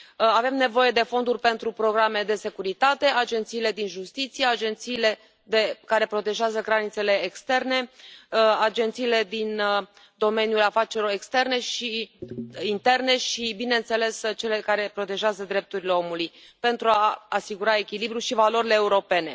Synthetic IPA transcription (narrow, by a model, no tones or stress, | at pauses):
ave̞mne̞vo̞je̞d̪e̞fo̞nd̪urʲpe̞nt̪ɾupɾo̞ɡɾame̞d̪e̞se̞kuɾit̪at̪e̞ad͡ʒe̞nt̪siːle̞d̪inʒust̪it̪sijead͡ʒe̞nt̪siːle̞ | d̪ekaɾe̞pɾo̞t̪eʒeazəɡɾanit̪se̞le̞ːkst̪e̞rne̞ | ad͡ʒe̞nt̪siːle̞d̪in | d̪o̞me̞nʲjulafat͡ʃeɾilo̞ɾe̞kst̪e̞rne̞ʃi | int̪e̞rne̞ʃibine̞nt̪se̞le̞st͡ʃe̞le̞kaɾe̞pɾo̞t̪e̞ʒeazəd̪ɾe̞p̚t̪uɾile̞o̞muluj | pe̞nt̪ɾuaːsiɡuɾae̞kʲilibɾuʃivalo̞ɾile̞ːuɾo̞pe̞ne̞